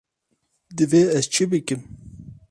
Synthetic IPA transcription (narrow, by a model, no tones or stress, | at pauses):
d̪ɨveɛzt͡ʃʰɨbɨkɨm